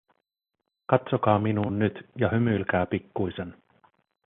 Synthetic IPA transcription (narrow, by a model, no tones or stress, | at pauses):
kɑt̪so̞kɑːminuːnːyt̪jɑhymylkæːpikːuise̞n